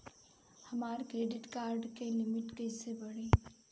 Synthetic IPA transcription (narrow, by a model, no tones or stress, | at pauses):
həmaɾkɾeɖiʈkaɾɖkelimiʈkəɪsebəɽi